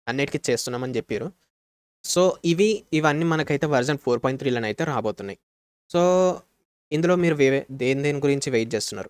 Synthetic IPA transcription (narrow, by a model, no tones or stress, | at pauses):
ɐnːeːʈikit͡ʃe̞ːst̪unːaːmɐnit͡ʃepːiːɾu | so̞ːiʋiːʋɐnːiːmɐnɐkɐjt̪e̞ːʋɐɾd͡ʒɐɳpʰoːɾpɔːjɳʈt̪ɾiːlɐnɐjt̪e̞ːɾaːbo̞ːt̪unːaːji | so̞ː | ind̪ulo̞ːmiːɾuʋed̪eːnd̪eːniɡuɾiɲt͡ʃiʋejʈ̚t͡ʃeːst̪unːa̰ːɾu